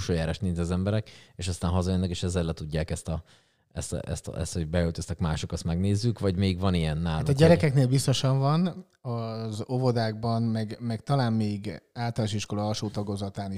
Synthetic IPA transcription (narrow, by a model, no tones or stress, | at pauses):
ʃoːjaːɾaːʃt̪ninzɛzɛmbɛɾɛkeːʃɒst̪aːnɦɒzɒjønːɛkeːʃɛzːɛlɛt̪uɟːaːkɛst̪ɒ | ɛ̰st̪ɛ̰st̪ɛ̰st̪ho̞ɟbɛøːt̪øst̪ɛkmaːʃokɒst̪mɛɡneːzːykʋɒɟmeːɡvɒnijɛnːaːlːaut̪ɒɟɛɾɛkɛkneːlbist̪o̞ʃɒɱvɒn | ɒzo̞vo̞d̪aːɡ̚bɒnmɛɡmɛkt̪ɒlaːmmeːɡaːlt̪ɒlanoʃiʃko̞lɒɒʃoːt̪ɒɡozɒt̪aːni